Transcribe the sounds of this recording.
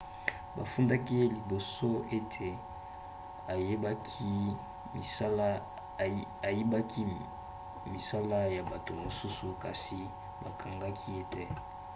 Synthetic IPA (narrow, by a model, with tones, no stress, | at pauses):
ba̰˨fu˦nda˦ki˦li˨bo˨so˦e˦tʰe˨ | a˨je˦bki˦˨˦ | a˨je˦ba˦kʰi˦ | mi˨sa˦la˦ja˨ba˨to˨mo˨su˦su˨ka˨si˨ | ba˨kʰa˨ŋɡa˦kʰi˦e˦tɛ˦